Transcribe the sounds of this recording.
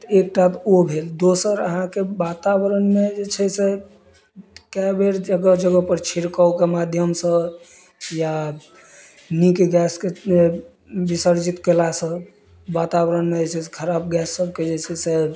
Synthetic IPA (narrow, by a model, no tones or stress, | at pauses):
t̪ek̚ʈat̪obʱeld̪osəɾə̰ɦãkebat̪abəɾənmed͡ʒet͡ʃʰɛse | kɛbeɾd͡ʒəɡəd͡ʒəɡəpəɾt͡ʃʰiɾkawkemad̪ʱjəmsə̃ | ja | nikeɡɛskee | bisəɾd͡ʒit̪kelasə̃ | bat̪abɾənmed͡ʒet͡ʃʰɛse̥kʰəɾab̚ɡɛsːəb̚ked͡ʒet͡ʃʰɛse